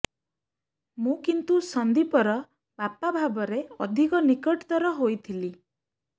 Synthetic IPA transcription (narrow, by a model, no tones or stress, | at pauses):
mũkint̪usɔnd̪ipɔɾɔ | b̥apabʱabɔɾeɔd̪ʱikɔnikɔʈt̪ɔɾɔɦojt̪ʰili